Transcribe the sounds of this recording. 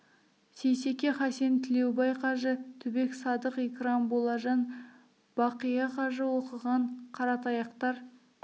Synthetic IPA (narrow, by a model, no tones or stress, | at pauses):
sejse̞kʲe̞χɑse̞nt̪ʰɪle̞wbɑjqʰɑʒət̪ʰʏbe̞ksɑd̪əqekrɑmbolˠɑʒɑn | b̥ɑqijɑqʰɑʒəwo̞qəʁɑɴqʰɑɾɑt̪ɑjɑqt̪ɑɾ